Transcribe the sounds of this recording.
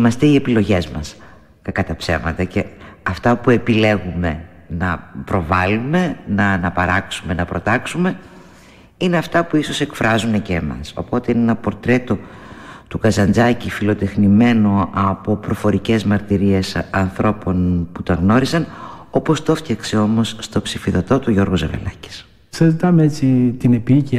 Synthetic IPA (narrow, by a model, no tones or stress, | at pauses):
imɐst̪eie̞pilo̞ʝe̞zmɐs | kɐkɐt̪ɐpse̞̰vmɐt̪ɐce̞ɐft̪ɐpue̞pile̞ɣume̞ | nɐpɾo̞vɐlumenɐnɐpɐɾɐksume̞nɐpɾo̞t̪ɐksume̞ | ine̞ɐft̪ɐpuiso̞se̞kfɾɐzune̞ce̞ːmɐ̰so̞̰po̞t̪e̞inenɐpo̞ɾt̪ɾe̞t̪o̞t̪ukɐzɐnd͡zɐcifilo̞t̪e̞xnime̞no̞ʔɐpo̞pɾo̞fo̞ɾice̞zmɐɾt̪iɾie̞sɐnθɾʔo̞po̞nput̪ɐɣno̞ɾisɐno̞po̞st̪o̞fçɐkse̞o̞mo̞sːt̪o̞psifiðo̞t̪o̞t̪uʝo̞ɾɣozeve̞̰lɐci̥s | sɐzit̪ɐmeet͡sit̪inepiici